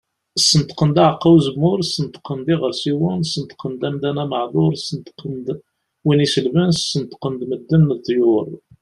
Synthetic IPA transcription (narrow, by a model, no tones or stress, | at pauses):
sənt̪qənd̪æʕqːɑwzəbmʊɾsənt̪qənd̪iʁəɾsiwʊnsənt̪qənd̪æmd̪ænæməʕðˤʊɾˤsənt̪qənd̪ | winisəlvənssənt̪qənd̪məd̪ːənːəðt̪ˤːjʊɾˤ